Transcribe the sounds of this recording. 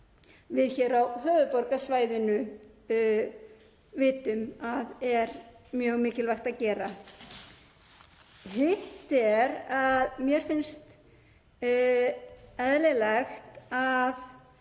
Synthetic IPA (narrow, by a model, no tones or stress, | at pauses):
vɪðçɛːɾawhœːvʏpɔɾkasvaːjðɪnʏ | vɪːt̪ʏmaðɛɾmjœɣmɪːcɪlvajxt̪aðcɛːɾa | hɪxt̪ɛɾaðmjɛɾ̥fɪnst̪ | ɛðlɪlɛxt̪að